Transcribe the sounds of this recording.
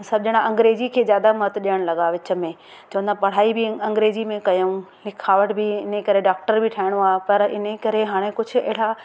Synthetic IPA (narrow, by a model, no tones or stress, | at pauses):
sɐbɪd͡ʑɪɽ̃aʔɐ̃ŋɡɾeːd͡ʑikʰeːzjaːd̪amɐt̪ɗijəɽ̃lɐɠaʋɪt͡ɕə̆mẽ | t͡ɕɐ̃ʋə̃nd̪apɐɽ̤aːibɪɐ̃ŋɡɾeːd͡ʑimẽkɐjõlɪkʰaːʋəʈʰbɪɪnekɐɾeɖaːk̚ʈəɾbʱɪʈʰaːɪɽ̃oaːpɐɾɪ̰nekɐɾeɦaːɽ̃ekʊd͡ʑʱʊ̆ɛ̰ːɽ̤a